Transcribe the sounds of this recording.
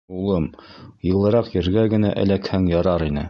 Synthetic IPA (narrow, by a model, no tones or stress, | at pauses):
ulˠɤmjɤ̆lˠɤ̆ɾɑqjɘ̆ɾɡæɡɘ̆næʔɘ̰̆lækhæŋjɑɾɑɾinɘ